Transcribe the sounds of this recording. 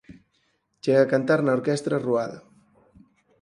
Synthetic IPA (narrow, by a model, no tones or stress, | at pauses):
t͡ʃeɣakant̪aɾnaoɾkest̪ɾaruaða